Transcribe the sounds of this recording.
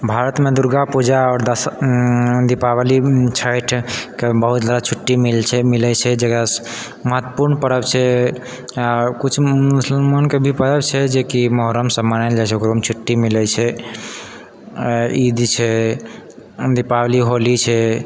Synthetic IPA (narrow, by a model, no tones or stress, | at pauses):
bʱaɾət̪med̪uɾɡapud͡ʒaɔːɾd̪əs | d̪ipawlit͡ʃʰajʈʰkebəɦut̪d͡ʒad̪at͡ʃʰuʈːimilt͡ʃʰɛmilɛt͡ʃʰɛd͡ʒekɾas | məɦət̪ːəpuɾnpəɾəbt͡ʃʰɛ | akut͡ʃʰmusəlmankebʱipəɾəbt͡ʃʰɛd͡ʒekiməɦɾəmsəmːanald͡ʒajt͡ʃʰeɡɾomt͡ʃʰuʈːimilɛt͡ʃʰɛ | id̪t͡ʃʰɛ | d̪ipawliɦolit͡ʃʰɛ